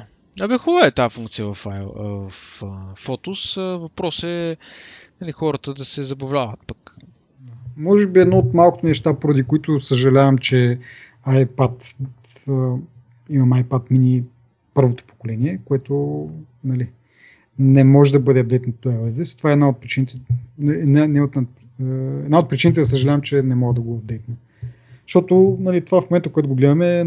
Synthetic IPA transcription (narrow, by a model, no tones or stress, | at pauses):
ɐbɛxuvaɛt̪afũŋk̚t̪sijəvɐfavɐffɔt̪ʊsvɐpɾɔsɛ | nɐlixɔɾət̪əd̪ɐsɛzɐbɐvlʲavət̪̚pak | d̪amɔʒɛbiɛd̪nɔot̪malˠko̥t̪onɛʃt̪apoɾɐd̪ikoit̪ʊsəʒɐlʲavɐmt͡ʃɛ | ajpat̪ | ə | imɐmajpat̪mini | pɤɾvot̪o̥po̥kolɛniɛkoɛt̪ʊ | nɐli | nɛmɔʒɛd̪ɐbɤd̪ɛɐd̪d̪ɛjt̪not̪oɛvɛzd̪ɛst̪ovaɛd̪naot̪̚pɾit͡ʃinit̪ɛnɛnanɛot̪n | ɛd̪naot̪pɾit͡ʃinit̪ɛd̪ɐs̬əʒɐlʲavɐmt͡ʃɛnɛmɔɡəd̪ɐɡoɐd̪d̪ɛjt̪nɐ | ʃt̪ɔt̪ʊnɐlit̪ovafmomɛnt̪əkoɛt̪ʊɡoɡlɛd̪ɐmɛ